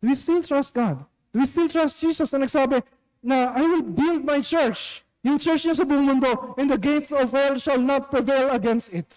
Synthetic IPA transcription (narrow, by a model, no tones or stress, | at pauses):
d̥̪ʊwist̪ɪlt̪ɹast̪̚ɡ̥ad̪̚ | d̪̥ʊwist̪ilt̪ɹast̪̚d͡ʒ̥iːsɐsɐnɐɡsɐhaːbɪ | nɐajwɪlbɪld̪̚majt͡ʃɛɹt͡ʃ | jʊŋt͡ʃɛɹt͡ʃɲos̬ɐbʊʔʊŋmʊnd̪o̞ɛ̃nd̪ɐɡejt̪sɔvhɛlʃɐlnat̪̚pɹɪvejlɐɡɛnst̪ɪt̪